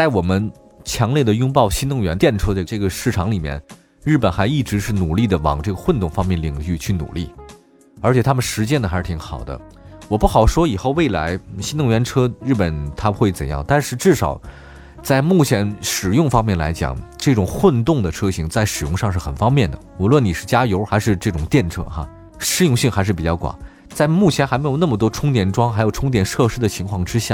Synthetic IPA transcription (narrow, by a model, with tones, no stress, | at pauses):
t͡sa˥˩ɪwɔ˨˩mə˦n | t͡ɕʰjɑ˧˥ŋljɛ˥˩d̪ə˩jʊ˥ŋp̬ɑ˥˩ʊɕi˥nt̪ʊ˥˩ŋɥɛ˧˥nt̪jɛ˥˩nʈ͡ʂʰɤ˥d̪ə˧˩ʈ͡ʂɤ˥˩ɡə˩ʂɻ̩˥˩ʈ͡ʂʰɑ˧˥ŋli˨˩mjɛ̰˥˧˩n | ɻɻ̩˥˩pə˨˩nxa˧˥ɪi˥˩ʈ͡ʂɻ̩˧˥ʂɻ̩˥˩nu˨˩li˥˩d̪ə˩wɑ̰˨˩ŋʈ͡ʂɤ˥˩ɡə˩xwə˥˧nt̪ʊ˥˩ŋfɑ˥ŋmjɛ˥˩nli˨˩ŋɕy˥˧t͡ɕʰy˥˩nṵ˨˩li˥˩ | ə˞˧˥t͡ɕʰɛ˨˩t̪ʰa˥mə˨nʂɻ̩˧˥t͡ɕjɛ˥nd̪ə˩xa˧˥ʂɻ̩˥˩t̪ʰi˧˥ŋxɑ̰˨˩ʊd̪ə̰˦ | wɔ˨˩pu˥˩xɑ˨˩ʊʂwɔ˥i˨˩xo˥˧ʊwe˥˩ɪla̰˧˥ɪɕi˥nt̪ʊ˥˩ŋɥɛ˧˥nʈ͡ʂʰɤ˥ɻ̩˥˩pə˨˩nt̪ʰa˥bxwe˥˩ɪt͡sə˨˩njɑ̰˥˧ŋt̪a˥˧nʂɻ̩˥˧ʈ͡ʂɻ̩˥˩ʂɑ̰˨˩ʊ | t͡sa˥˧ɪmu˥˩t͡ɕʰjɛ˧˥nʂɻ̩˨˩jʊ˥˩ŋfɑ˥ŋmjɛ˥˩nla̰˧˥ɪt͡ɕjɑ̰˨˩ŋʈ͡ʂɤ˥˩ʈ͡ʂʊ˨˩ŋxwə˥˧nt̪ʊ˥˩ŋd̪ə˩ʈ͡ʂʰɤ˥ɕi˧˥ŋt͡sa˥˩ɪʂɻ̩˨˩jʊ˥˧ŋʂɑ˥˧ŋʂ̬ɻ̩˥˩xə˨˩nfɑ˥ŋmjɛ˥˩nd̪ə̰˩u˨˩lwə˥˩ni˨˩ʂɻ̩˥˩t͡ɕja˥jo˧˥ʊxa˧˥ɪʂɻ̩˥˧ʈ͡ʂɤ˥˩ʈ͡ʂʊ˨˩ŋt̪jɛ˥˩nʈ͡ʂʰɤ̰˥xa̰˥˧ | ʂɻ̩˥jʊ˥˧ŋɕi˥˩ŋxa˧˥ɪʂɻ̩˥˩pi˨˩t͡ɕjɑ˥˩ʊkwa̰˨˩˦ | t͡sa˥˧ɪmu˥˩t͡ɕʰjɛ˧˥nxa˧˥me˧˥jna˥˩mə˩t̪̬wɔ˥ʈ͡ʂʰʊ˥ŋt̪jɛ˨˩nʈ͡ʂwɑ˥ŋxa˧˥ɪjo˨˩ʊʈ͡ʂʰʊ˥ŋt̪̬jɛ˨˩nʂɤ˥˧ʂɻ̩˥d̪ə˨t͡ɕʰi˧˥ŋkʰwɑ˥˩ŋʈ͡ʂɻ̩˥ɕja˥˩